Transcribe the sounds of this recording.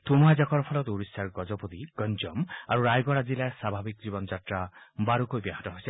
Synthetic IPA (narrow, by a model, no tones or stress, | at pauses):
t̪umɔɦad͡ʒakɔɾɔpʰɔlɔt̪uɾisːaɾɡɔd͡ʒɔpɔd̪iɡɔnd͡ʒɔma̰ɾuɾajɡɔɽad͡ʒilaɾsabʱabikd͡ʒibɔnɔd͡ʒatɾabaɾukojbjaɦɔt̪ɔɦojse